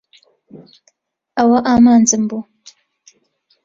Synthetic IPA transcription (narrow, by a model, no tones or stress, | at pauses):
ɐwɐʔaːmaːnd͡zɨmbu